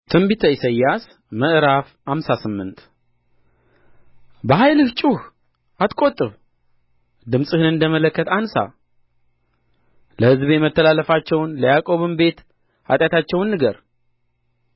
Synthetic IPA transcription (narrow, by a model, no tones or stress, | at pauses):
t̪ʰɨmbit̪ʰəisəjːas | məʔɾafhamsasɨmːɨnt̪ | bəɦajlɨht͡ʃʼuh | at̪kʼo̞t̪ʼːɨβ | d̪ɨmsʼɨhɨnɨnd̪əmələkːət̪ansa̰ | ləhɨzbjɛmət̪ʰːəlalːəfat͡ʃːɛwnləjakʼo̞βɨmbe̞t̪ | ha̰t̪ʼjat̪ʰat͡ʃːɛwnːɨɡəɾ